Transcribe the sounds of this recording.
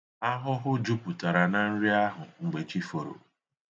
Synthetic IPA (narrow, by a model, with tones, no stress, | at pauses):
a˦ɦʊ˦ɦʊ˦d͡ʒu˦pu˨ta˨ɾa˨na˦n̩˦ɾi˦a˦ɦʊ˨ŋ̩˨ɡ͡be˨t͡ʃi˦fo˨ɾo̰˨